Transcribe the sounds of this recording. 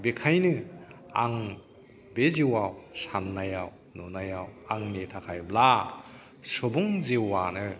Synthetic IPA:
bekʰajnɯ | a̰ŋ | beziwawsanːajaw | nunajawaŋnetʰakʰajbla | sɔbɔŋzewanɯ

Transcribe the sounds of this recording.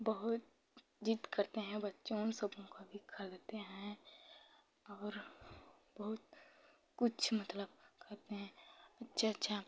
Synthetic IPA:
bɐɦʊt̪ | d͡ʒit̪kɐɾt̪eɦɛ̃bɐtːʃõsɐbʱõkabʱikʰɐlt̪eɦɛ̃ | ɔːɾ | bɐɦʊt̪̚ | kʊt͡ʃʰmɐt̪ləb̚kʰɐɾt̪eɦɛ̃ɐtːʃʰatːʃʰa

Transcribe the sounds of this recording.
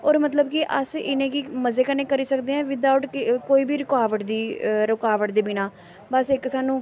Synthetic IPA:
oːɾmət̪̬ləbkɪʔəsɪnẽːkɪməzeːkənẽːkəɾiːsəkd̪eːɛ̃ːʋɪd̪aːʋʊʈkkoːiːbiːɾɪkaːʋəʈd̪iːɾʊkaːʋəʈd̪eːbiːnaː | bəsɪkːsaːnũː

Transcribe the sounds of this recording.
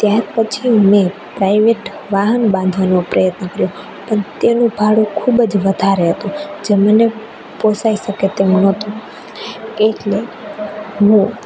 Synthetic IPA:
t̪jaɾpət͡ʃʰimepɾaiʋeʈ | ʋaɦənbãnd̪ʱʋanopɾʔəjət̪nəkəɾjo | pəɳt̪enũbʱaɽukʰubəd͡ʒʋəd̪ʱaɾeɦət̪ũd͡ʒeməne | posaiʃəket̪emnət̪ũ | keʈle | ɦũ

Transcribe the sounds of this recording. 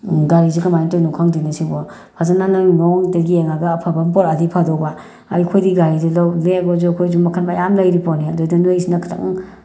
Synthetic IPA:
ɡaɾizikamajntɔnukʰaŋdinasibɔ | pʰazanananɔŋdɐɡieŋaɡaːpʰabampɔɾadipʰadɔwba | aikʰojdiɡaɾidilawleɡɔzukʰojzumakʰanmajamlajɾipɔniadodɯnajsinakʰḁtʰa̰ŋ

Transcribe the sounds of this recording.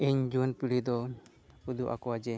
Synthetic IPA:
eɲd͡ʒuanpiɽid̪ɔ | hud̪uʔa̰kɔwad͡ʒɛ

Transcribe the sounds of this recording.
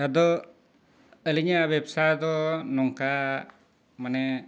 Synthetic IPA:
t̪ad̪ɔ | əliɲaʔbɛbsajd̪ɔnɔŋka | manɛ

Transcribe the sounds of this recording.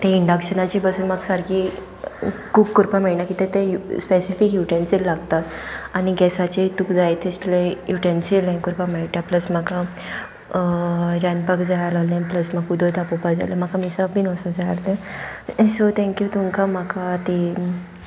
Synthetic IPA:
t̪ẽiɳɖakɕənat͡ɕibəsuːnməɡsaɾkiː | kuːbkːuɾpameɽnakit̪ẽt̪euspesifikjuʈensilːaɡt̪at̪añiɡɛsat͡ɕeit̪ukd͡zajit̪ʰeslejuʈensilːãnkuɾpameɭʈapləsm̤aka | ɾãnpəkd͡zajalalẽpləsməɡud̪ʱot̪apɔpad͡za̰ləm̤akamisapiːnɔsod͡zajaɾt̪ẽ | sot̪ʰɛ̃ŋkjuːt̪uŋkamakʰat̪i

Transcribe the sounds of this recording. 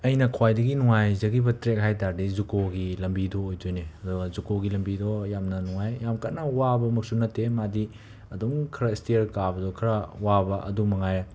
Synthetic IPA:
ɐjnɐkʰwajdɐɡinuŋajzɐɡibɐtɾek̚ɦajtaɾdizukoɡilɐmbidɔːjd͡ʒojneɐduɡɐzukoɡilɐmbidɔjamnɐnuŋajjamkanɐwabɐmɐk̚sunɐtːemadi | ɐduŋkʰɾɐstiɾkabɐdɔkʰɐɾɐwabɐʔɐ̰dumɐŋajɾa

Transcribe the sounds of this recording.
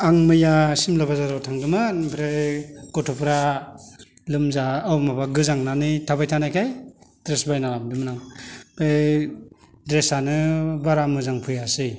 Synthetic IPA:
aŋmɯjasimlabazaɾɔtʰaŋdɯmanpʰɾekɔtʰɔpʰɾa | lɯmzaːwmabaɡɯzaŋnanitʰabajtʰanajkʰajdɾesbajnalamdɯmnaŋpej | dɾesanɯbaɾamɯzaŋpʰɯjasɯj

